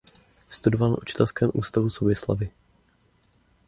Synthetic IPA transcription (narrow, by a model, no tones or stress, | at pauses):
st̪udovalna̰ʔut͡ʃɪ̥t̪ɛlskɛːmʔṵːst̪avusobɪsla̰vɪ